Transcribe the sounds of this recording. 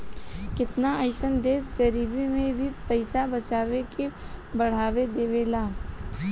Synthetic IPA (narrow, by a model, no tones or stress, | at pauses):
kɪt̪naəɪʃənd̪eːsɡəɾiːbimẽbʱipɐɪsabɐt͡ʃaːwekebɐɽ̤aːwed̪eːʋelaː